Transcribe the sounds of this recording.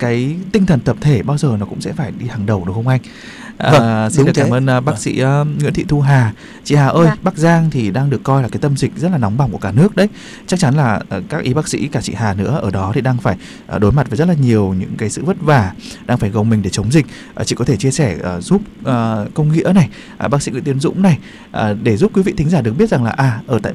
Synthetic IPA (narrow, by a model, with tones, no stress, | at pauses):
kaː˨˦jt̪i˧ŋt̪ʰə˨˩nt̪ə˨˩p̚t̪ʰe˧˩ɓaː˧wzəː˨˩nɔ˨˦kʊ̰˧˥ŋ͡msɛ̰˧˥faː˧˩jɗi˧haː˨˩ŋɗə˨˩wɗə˨˩whə˧wŋ͡mʔa˧j̟ | ʔəː˧˩si˧˨˩kaː˧˩ʔəː˧nː˨˧ɓaː˦˥k̚sḭː˧˥˨ŋwḭ˧˥nt̪ʰḭ˧˨t̪ʰu˧ɦaː˨˩ | t͡ɕḭ˧˨haː˨˩ʔəː˧jɓaː˦˥k̚zaː˧ŋt̪ʰi˨˩ɗaː˧ŋɗɨ˨˩əkːɔ˧jlaː˨˩kaː˨˦jt̪ə˧mzï˨˩k̟̚zə˦˥t̚laː˨˩nɔ˨˦wŋ͡mɓa˧˩wŋ͡mku˧˩kaː˧˩nɨ˦˥ək̚ɗə˨˦j | t͡ɕa˦˥k̚t͡ɕa˨˦nlaː˨˩˨kaː˦˥k̚ʔi˨˦ɓaː˦˥k̚sḭ˧˥kaː˧˩t͡ɕḭ˧˨haː˨˩nɨ̰˧˥əʔəː˧˩ɗɔ˨˦t̪ʰi˨˩ɗaː˧ŋfaː˧˩j | ʔə˨˩ɗo˨˦jma˨˩t̚vaː˨˩zə˦˥t̬̚laː˨˩ɲi˨˩əwɲɨ̰˧˥ŋkaː˨˦jsɨ̰˧˨və˦˥t̚vaː˧˩ɗaː˧ŋfaː˧˩jɣə˨˩wŋ͡mmï˨˩ŋ̟ɗe˧˩t͡ɕə˨˦wŋ͡mzï˨˩k̟̚ | ʔə˨˩t͡ɕḭ˧˩kɔ˨˦t̪ʰe˧˩t͡ɕi˧əsɛ˧˩ʔəː˨˩zu˦˥p̚ʔːkə˧wŋ͡mŋḭ˧˥əna˨˩j | ʔa˨˩ɓaː˦˥k̚sḭ˧˥ŋw̰t̪ənzʊ̰˧˥ŋ͡mna˨˩j | ʔə˨˩ɗe˧˩zu˦˥p̚kwi˨˦vḭ˧˨t̪ï˨˦ŋzaː˧˩ɗɨ˨˩k̚ɓi˦˥ət̚za˨˩ŋlaː˨˩ʔaː˨˩ʔəː˧˩t̪a̰ː˧˨